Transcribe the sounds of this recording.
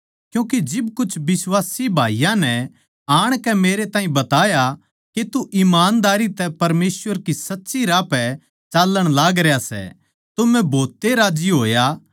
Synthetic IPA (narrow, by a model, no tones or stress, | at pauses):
kjũːk̬ed͡ʒɪbkʊt͡ʃʰbɪswaːsibʱaːijãnɛ | aːɽ̃kɛmeːɾet̪ãːɦĩbɐt̪aːja | ket̪uʔɪmaːnd̪aːɾit̪ɛpɐɾmeːswəɾkisɐtːʃiɾaːpɛ | t͡ʃaːlːəɽ̃laːɡɾejasɛ̰ | t̪ʊmɛ̃bʱoːt̪ːeɾaːd͡ʒiɦoːja